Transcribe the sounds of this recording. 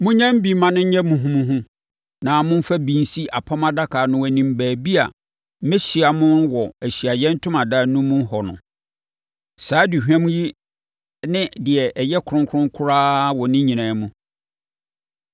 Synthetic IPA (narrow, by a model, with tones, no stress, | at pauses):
mʊ̃˦ɲã˦m˦bi˨˦mã˦nʊ̃˦ɲ̩˦ɲɛ̃˦mũ˨ɦũ˦mũ˦ɦʊ̃˦ | nã˨mʊ̃˦m̩˦fa˦bi˦n˦si˦ʔa˨pʰa˦mã˦da˦kʰaː˨nʊ̃˦wæ˨nĩ˨m˦bæː˨bi˦a̰˨ | mɛ˦ɕi˨a˨mʊ̃˦nwɔ˨æ˨ɕi˨a˨jɛ˦n̩˦tʰʊ̃˦mã˨daː˦nũ˦mũ˦hɔ˨nʊ̰̃˨ | saː˨˦du˨ɦᶣã˦m˦ji˦ | nɪ̃˦dɪ˨ɛ˨ʔɛ˨jɛ˦kʰʊ˨ɾʊ̃˦ŋkʰʊ˦ɾʊ̃˦ŋ˦kʰʊ˦ɾaː˦wɔ˨nɪ̃˦ɲĩ˨nãː˨˦mũ˦